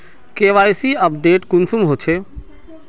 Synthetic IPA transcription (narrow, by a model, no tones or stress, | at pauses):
keːʋaːjsiəpɖeːʈkʊnsumɦot͡ʃʰeː